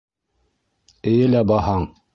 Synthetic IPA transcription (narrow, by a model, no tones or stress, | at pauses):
ɘ̆jɘlæbɑɦɑɴ